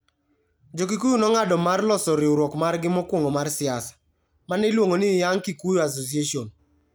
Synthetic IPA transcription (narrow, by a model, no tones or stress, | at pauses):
d͡ʒok̬ikujunɔŋadɔmarlɔsɔɾɪoɾwɔkmarɡɪmɔkwoŋomarsɪasḁ | manɛlwoŋonɪjaŋkikujoas̬os̬ieʃion